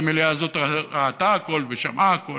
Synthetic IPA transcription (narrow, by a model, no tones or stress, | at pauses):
meleaːzo̞t̪aʁaːt̪aako̞lveʃamʔaako